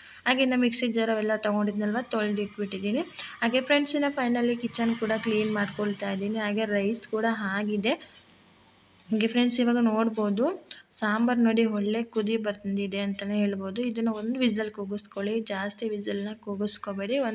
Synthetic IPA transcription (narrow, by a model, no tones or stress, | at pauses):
ɦaːɡenamiksid͡ʒɐɾɐʋɛlːɐt̪ɐɡoɳɖid̪nɐlːʋat̪oɭd̪iʈːbiʈːid̪iːniaːɡipʰɾeɳʈsinːɐpʰɐjnɐlːikit͡ʃːɐnːkuːɽɐkliːnmaːɖkoɭt̪aːjd̪iːniɦaːɡeɾɐjskuːɽɐɦaːɡid̪e̞ | ɡipʰɾeɳsiʋaːɡɐnoːɽboːd̪usaːmbɐɾnoːɽiɦɔɭːe̞kud̪ibɐɾt̪ɐnd̪id̪e̞ɐnt̪ɐneɦe̞ːɭbo̞ːd̪uid̪ɐnːuond̪uʋid͡ʒɐlkuːɡuskoɭid͡ʒaːst̪iʋid͡ʒɐlnːɐkuːɡuskobeːɽion